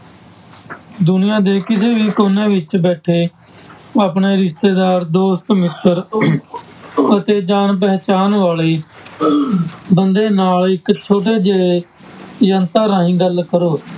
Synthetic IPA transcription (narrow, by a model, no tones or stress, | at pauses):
d̪ʊnɪjãːd̪eːkɪseːʋiːkoːnːẽːʋɪt͡ʃbɛːʈʰeː | aːpɳeːɾɪst̪eːd̪aːɾd̪oːst̪mɪt̪əɾ | ət̪eːd͡ʒaːnp̬ɛːt͡ʃaːnʋaːliː | bənd̪eːnaːlɪkt͡ʃʰoːɖ̪eːd͡ʒeːe | jənt̪aːɾaːĩːɡəlkəɾoː